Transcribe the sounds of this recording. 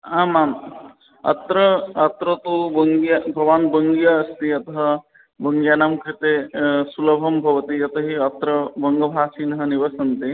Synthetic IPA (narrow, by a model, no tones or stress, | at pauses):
aːmaːm | ɐ̰t̪ɾɐɐt̪ɾɐt̪ubɐŋɡijɐbʱɐʋaːnbɐŋɡijɐːst̪iɐt̪ɐɦɐ̆ | bɐŋɡjaːnaːmkɾit̪esulɐbʱɐmbʱɐʋɐt̪iɐt̪ɐɦiɐt̪ɾɐbɐŋɡɐbʱaːsiːnɦɐniʋɐsɐnt̪i